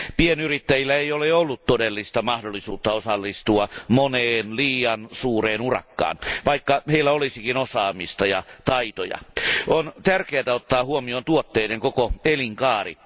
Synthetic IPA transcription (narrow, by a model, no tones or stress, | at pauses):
pienyrit̪ːæjilːæejoleolːutt̪odelːist̪ɑmɑhdolːˑisuːt̪ːɑosɑlːist̪uɑmoneːnliːjɑnsuːreːnurɑ̰kːɑ̰ːnʋɑikːɑheilːæolisikinosɑːmist̪ɑjɑ̰t̪ɑit̪ojɑ̰ʔont̪ærkeæt̪æot̪ːɑːhuomioːnt̪uot̪ːeideŋkokoeliŋkɑːrḭ